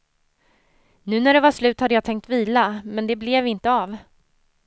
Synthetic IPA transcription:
nʉ̟ːnæɖɛvaʂlʉ̟ːt̪had̪ːəjat̪ʰɛŋkt̪viːlamɛnd̪ɛblɛvɪnt̪əɑv

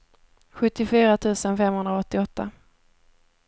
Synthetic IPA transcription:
ɧɵt̪ːɪfyːɾat̪ʰʉ̟ːsənfɛmhɵnd̪ɾaɔt̪ːɪɔt̪ʰːa

